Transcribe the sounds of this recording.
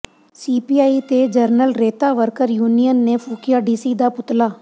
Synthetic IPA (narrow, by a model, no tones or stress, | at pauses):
siːpiːaːiːt̪eːd͡ʒəɾnəlɾeːt̪aːʋəɾkəɾjuːnijənːeːpʰuːkijaːɖiːsiːd̪aːpʊt̪laː